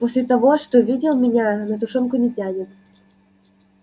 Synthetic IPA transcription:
posʲlʲɪt̪ɐvoʂt̪ovʲidʲɪlˠmʲɪnʲanət̪ʊʂɔnkʊnʲɪtʲanʲɪt̪

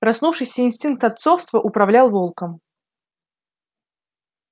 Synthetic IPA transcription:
pɾɐsnufʂɨjsʲəinsʲtʲink̚t̪ɐt̪sofst̪vəʔʊpɾɐvlʲalˠvolˠkəm

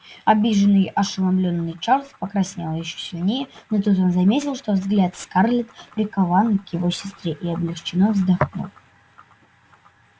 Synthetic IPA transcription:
ɐbʲiʐɨnːɨjɐʂɨlˠɐblʲonːɨjt͡ʂarlˠspəkɾɐsʲnʲalˠjɪɕːɵ̥sʲɪlʲnʲejɛnot̪ut̪onzɐmʲetʲɪlˠʂt̪o̞vzɡlʲat̪skarlʲɪt̪pɾʲɪkɐvankjɪvosʲɪ̥st̪ɾʲeʔiɐblʲɪxt͡ɕɪnovzd̪ɐxno̰

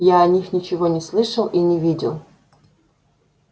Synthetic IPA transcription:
jaɐnʲixnʲɪt͡ɕɪvonʲɪslˠɨʂəlˠinʲɪvʲidʲɪ̰lˠ

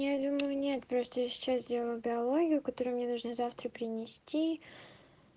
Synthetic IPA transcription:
jad̪uməjʊnʲe̞t̪pɾo̞st̪əjasʲɪ̥t͡ɕaszʲdʲe̞lˠəjʊbʲɪɐlˠo̞ɡʲɪjʊkɐt̪o̞ɾʊjʊmnʲe̞nʊlˠʐnɨzaft̪ɾəpʲɾʲɪnʲɪsʲtʲi

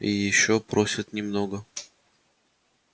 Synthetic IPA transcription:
ijɪɕːopɾosʲət̪nʲɪmnoɡə

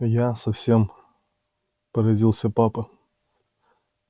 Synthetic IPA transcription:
jasɐfsʲe̞m | pəɾɐzʲilˠsʲəpapə

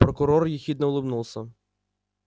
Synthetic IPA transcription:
pɾɔkʊɾɔrjixʲid̪nɛʊlˠɪbnulˠsʲɐ

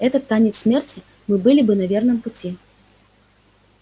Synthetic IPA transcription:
ɛt̪ɐt̪ːanʲɛt̪ssʲmʲɛrt͡sʲi | mɨbɨlʲibɨnɐvʲɛrnɨmput͡sʲi

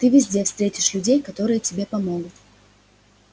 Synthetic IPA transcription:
t̪ɨvʲɪzʲdʲe̞fst̪ɾʲetʲɪ̥ʂlʲʉdʲejkɐt̪o̞ɾɨjətʲɪbʲe̞pɐmo̞ɡʊt̪

